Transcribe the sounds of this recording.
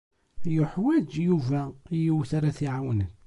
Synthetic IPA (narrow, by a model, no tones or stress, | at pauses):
jʊħwæd͡ʒjuvæjiwθaɾaθiʕawnən